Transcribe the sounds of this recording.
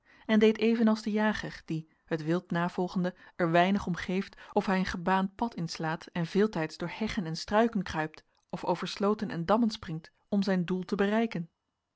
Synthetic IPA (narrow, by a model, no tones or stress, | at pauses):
ɛndejtejvənɑlˠzdəjaːχərd̥i | hətʋɪlˠtnaːv̥ɔlˠχəndəɛɹʋɛjnəχɔmχejftɔfɦɛjənχəbaːnt̚pɑtɪnslaːtɛnv̥ɪːlˠtɛjtzd̥ʊːɹhɛχənɛnstrœɥkənkrœɥp̚t | ɔfowvəɹslowtənʔɛ̰ndɑmənsprɪŋt | ɔmzɛjndulˠtəbərɛjkən